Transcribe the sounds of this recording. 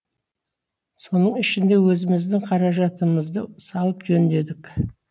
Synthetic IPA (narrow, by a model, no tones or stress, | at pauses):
so̞nəɴɪʃɪnd̪e̞wɵzɪmɪzd̪ɪŋqʰɑɾɑʒɑt̪əməzd̪əsɑlˠəpʒɵnd̪e̞d̪ɪk